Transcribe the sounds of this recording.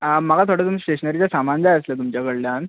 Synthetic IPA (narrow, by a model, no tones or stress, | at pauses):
məɡat̪ʰoɽət̪umisʈeɕənəɾit͡ɕjasamand͡zajəslət̪umt͡ɕjakəɽljan